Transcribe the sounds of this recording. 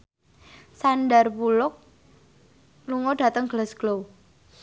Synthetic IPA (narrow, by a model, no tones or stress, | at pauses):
sanɖərpulʊk̚ | luŋɔɖ̥ä̤t̪əŋɡ̥ələsɡ̥low